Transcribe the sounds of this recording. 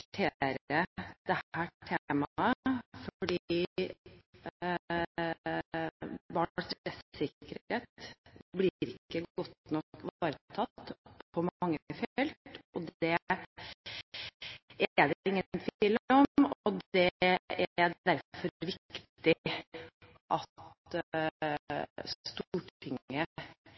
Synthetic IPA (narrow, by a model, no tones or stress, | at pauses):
t̪ʰeːɾəd̪̥ɛhæːʈʰemɑəfɔɔɖiːi | bɑɳɑst̪ɾtɾɛssɪkəɾeːt̪blɪɾɪkːəɡɔt̪nɔkːʋɑːɾət̪ʰɑt̪ːpʰɔmɑŋːəəfɛlt̪ɔd̪ɛ | ɛɛɖɪŋːənt̪ʰʋiːllɔmɔd̪ɛɛææɖ̪æɾfɔɾɾʋɪkt̪ɪ | ʔɑt̪ | st̪uːʈʰɪŋə